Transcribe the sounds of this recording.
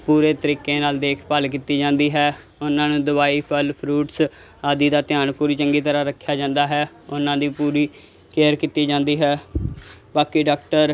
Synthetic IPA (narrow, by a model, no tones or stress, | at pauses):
puːɾeːt̪əɾiːkeːnaːld̪eːkʰpəlk̬iːt̪iːd͡ʒãːnd̪iːɦɛː | ʊnãːnũːd̪ʊbaːiːpʰəlpʰɾuːʈs | aːd̪iːd̪aːt̪ɪjaːnpuːɾiːt͡ʃəŋɡiːt̪əɾaːɾəkʰːjaːd͡ʒãːnd̪aːɦɛː | ʊnãːd̪ĩːpuːɾiː | keːəɾkiːt̪iːd͡ʒãːnd̪iːɦɛː | baːkiːɖaːkʈəɾ